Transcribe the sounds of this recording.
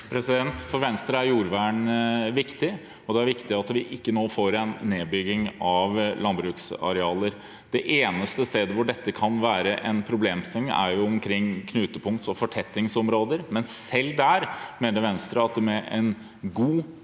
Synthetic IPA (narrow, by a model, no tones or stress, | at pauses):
pʰɾɛsɪd̪ɛnt̪fɔɾʋɛnst̪ɾəæɾjuːɾʋæːɳʋɪkt̪ɪ | ɔd̪ɛæɾʋɪkt̪ɪɑt̪ʋɪʔɪkːənoːfoːɾɛnːeːbʏɡːɪŋɑʋlɑnbɾʉːksɑ̰ɾɛɑːləɾ | d̪̥ɛʔeːnəst̪əst̪eːd̪əʋʊɖɛt̪ːəkʰɑnʋæːɾəʔɛnpʰɾʊbleːmst̪ɛŋːæ̰ɾjʊɔmkʰɾɪŋːkʰnʉːt̪əpʰʊŋkt̪sɔfɔʈʰɛt̪ːɪŋsɔmɾoːd̪əɾmɛnsɛlːd̪æɾmeːnəɾʋɛnst̪ɾəɑt̪̚d̪ɛmɛʔɛn | ɡuː